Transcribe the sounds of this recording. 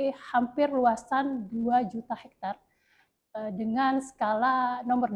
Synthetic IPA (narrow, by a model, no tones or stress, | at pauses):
hampɪrluasanduad͡ʒut̪ahɛk̚t̪ar | dəŋansə̥kalanɔmbər